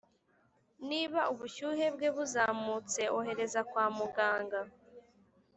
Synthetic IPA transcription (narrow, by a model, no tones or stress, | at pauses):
niːβaʔuβuʃuːhe̞bɡeβuzaːmut͡se̞ʔoɦe̞ɾe̞zakwaːmuɡaːŋɡa